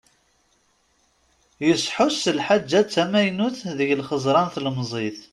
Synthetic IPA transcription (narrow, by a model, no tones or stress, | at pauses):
jəsħʊsːəlħad͡ʒːæt͡sːæmæjnuθðəʝəlχəzˤɾˤɑnθəlmzˤiθ